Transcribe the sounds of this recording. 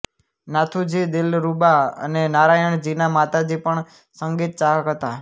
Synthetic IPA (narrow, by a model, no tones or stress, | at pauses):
nat̪ʰud͡ʒid̪ɪlɾubaə̰nenaɾajəɳd͡ʒinamat̪ad͡ʒipəɳ | səŋɡit̪̚t͡ʃaɦəkɦət̪a